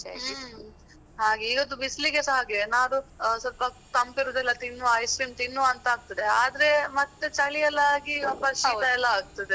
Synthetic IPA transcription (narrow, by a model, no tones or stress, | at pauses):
ɦaːɡeiːɡod̪ubisliɡesɦaːɡiʋenaːɾusɐt̪bɐ | t̪ɐmpiɾoːd̪ɛlːɐt̪inːuɐjsʈɾiːmt̪inːuɐnt̪ɐaːɡ̚t̪ɐd̪eaːd̪ɐɾemɐt̪ːet͡ʃaːɭiɛlːaaːɡipɐɾʃid̪ɐɛlːɐaːɡ̚t̪ɐd̪e